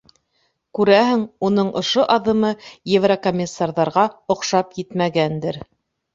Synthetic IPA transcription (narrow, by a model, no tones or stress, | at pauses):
kʉɾæɦɘŋunɤɴʔŏ̰ʃoʔɑðɤ̆mɤjevrɐkomʲːɪsːarðɑɾʁɑŏqʃɑpjɘt̪mæɡænd̪ɘɾ